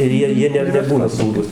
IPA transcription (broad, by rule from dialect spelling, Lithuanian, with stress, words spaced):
ɪr ˈjiɛ ˈjiɛ nʲɛ nʲɛˈbuːnɐ ˈsuːruːs